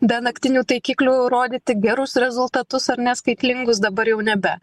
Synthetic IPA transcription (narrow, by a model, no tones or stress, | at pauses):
bʲɛnɐkt̪ʲɪnʲuːt̪ɐɪkʲiːklʲuːɾoːd̪ʲiːt̪ʲɪɡʲɛɾʊsɾʲɛzʊlˠt̪ɐt̪ʊsɐɾnʲɛskɐɪt̪ʲlʲɪŋɡʊsd̪ɐbɐɾjɛʊnʲɛbʲɛ